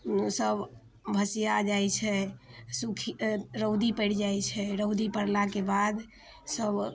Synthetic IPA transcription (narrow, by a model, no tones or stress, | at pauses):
səb | bʱəsijad͡ʒajt͡ʃʰɛsukʰiɾəʊd̪ipəɪɽd͡ʒajt͡ʃʰɛɾəʊd̪ipəɽlakebad̪ | səb